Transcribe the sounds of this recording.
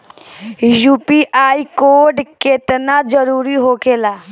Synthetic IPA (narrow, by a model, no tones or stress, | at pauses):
juːpiʔaːikoːɾɖket̪nad͡ʒəɾuːɾiɦokeːlaː